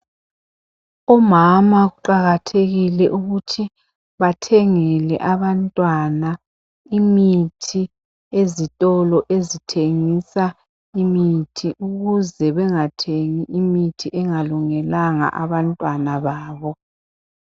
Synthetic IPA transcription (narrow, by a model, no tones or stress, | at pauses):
ɔmamaɣuǃaɣatʰeɣilɛʔuɣutʰi | βatʰeŋɛlɛ̰ʔaβantʼwana | imitʰi | ezitʼɔlɔʔezitʰeŋisa | imitʰiʔuɣuzɛβɛŋatʰeŋiʔimitʰiʔɛŋaluŋɛlaŋa̰ʔaβantʼwanaβaːβɔ